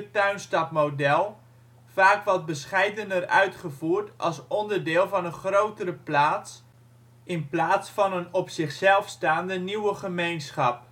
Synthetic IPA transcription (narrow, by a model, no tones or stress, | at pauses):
ətœɥnstɑpmodɛlˠ | faːkʋɑt̚bəsχɛjdənərœ̰ɥtχəvuːɹtʔɑ̰lˠsɔndəɹdɪːlˠvɑnənχrowtərəplaːs | ɪnplaːtsfɑnənɔpsɪχsɛlˠfstaːndəniwəχəmejnsχɑp̚